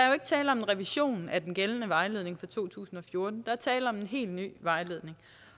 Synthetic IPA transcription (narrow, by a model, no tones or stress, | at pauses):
d̥ɑ̈æɐjo̝e̝ɡ̥ət͡sʰɛːləɒ̽menʁɛʋiɕo̝̰ːnæd̥enɡ̥elnəʋɑ̈ɪle̝ð̞̰ˠne̝ŋfɑ̈t͡sʰo̝̰ːt͡sʰṵːsn̩ɒ̽fjo̝ɐd̥n̩d̥ɑ̈æɐt͡sʰɛːləɒ̽menɦe̝̰ːld̥ny̰ːʋɑ̈ɪle̝ð̞ˠne̝ŋ